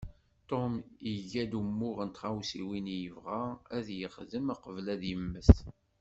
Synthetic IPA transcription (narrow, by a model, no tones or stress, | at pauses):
t̪omiʝæd̪umːʊʁənt̪ʁawsiwinjəvʁaæðjəχðəmaqəvlæðjəmːəs